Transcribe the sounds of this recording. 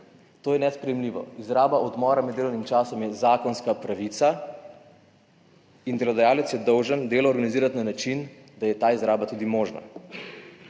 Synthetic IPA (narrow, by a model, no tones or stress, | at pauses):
t̪oːjɛnɛspɾɛjɛmliːʋɔ̰izɾaːbaʔɔd̪mɔːɾamɛd̪ːeːlɔwnimt͡ʃaːsɔmjɛzaːkɔnskapɾaʋit̪sa | ind̪ɛlɔd̪ajaːlɛt̪sjɛd̪ɔwʒənd̪eːlɔːɾɡaniziːɾat̪nanat͡ʃin | d̪ajɛt̪aːizɾaːbat̪uːd̪imoːʒna̰